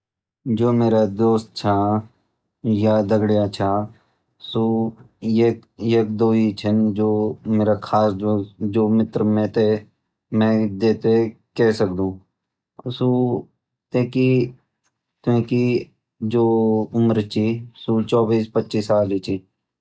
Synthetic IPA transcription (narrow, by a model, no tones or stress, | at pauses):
d͡ʒoːmeːɾad̪oːst̪̚t͡ʃʰaː | jaːd̪əɡɽijaːt͡ʃʰaː | suː | ekjeːk̚d̪oːit͡ʃʰənd͡ʒoːmeːɾakʰaːsd͡ʒod͡ʒoːmɪt̪ɾmẽːt̪e | mɛ̃ːd̪eːt̪ekɛːsək̚d̪ũː | suː | t̪ẽːki | t̪ẽːki | d͡ʒoːʊmɾt͡ʃʰisut͡ʃɔːbiːspətːʃiːsaːlit͡ʃʰi